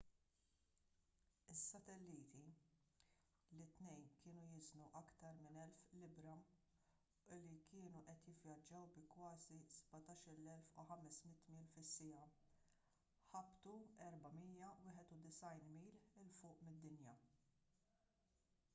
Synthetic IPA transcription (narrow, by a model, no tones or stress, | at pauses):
ɪsːɐt̪ɛlːiːt̪i | lɪt̪nɛjnkɪːnujɪznuʔɐkt̪ɐɾmɪnɛlflɪbɾɐ | ɪlːikɪːnuʔɛt̪jɪvjɐd͡ʒːɐwbɪkwɐːziz̥bɐt̪ɐːʃɪɾlɛlfṵħɐmɛsmɪt̪ːmiːlfɪsːɪjɐ | ħɐbt̪uɛɾbɐmiːjɐwɪːħɛt̪ud̪ɪsɐjnmiːlɪlfʊːʔmɪd̪ːɪnjɐ